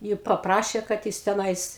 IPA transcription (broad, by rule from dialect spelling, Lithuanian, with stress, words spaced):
ˈjiː pɐˈprɑːʃʲeː kɐt ˈjɪs tʲɛˈnɐɪs